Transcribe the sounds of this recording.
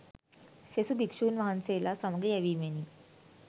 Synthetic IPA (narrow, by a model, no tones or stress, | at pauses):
sesubʱikʂuːnʋaɦanselasəmɡejaʋiːmeniː